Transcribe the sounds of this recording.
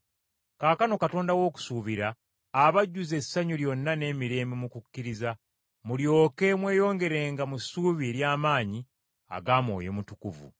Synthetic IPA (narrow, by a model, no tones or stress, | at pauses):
kaːkano̞kato̞ːndawo̞ːku̥suβiɾaː | βaɟːuze̞sːaɲuljo̞nːane̞ːmiɾe̞ːmimukukːiɾiza | muljo̞ːke̞mwe̞ːjo̞ːŋɡe̞ɾeːŋɡamusuːβieɾjaːmaːɲi | a̰ɡaːmwo̞̰ːjo̰mutukṵvṵ